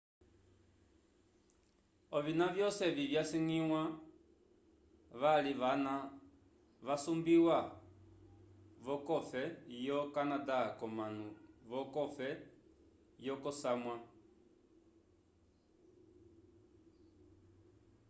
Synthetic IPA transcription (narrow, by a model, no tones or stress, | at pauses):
ɔvinavjɔsɛvivjasiŋiwa | ʋaliana | ʋasumbiwa | βɔkɔfɛjɔkanadakɔmanuβɔkɔfɛ | jɔkɔsamwa